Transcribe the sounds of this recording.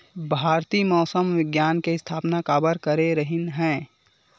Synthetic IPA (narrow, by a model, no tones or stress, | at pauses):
bʱaːɾt̪iːmɔːsəmʋɪɡjaːnkeɪst̪ʰaːpnakaːbəɾkəɾeɾəɦɪnɦɛ̃ː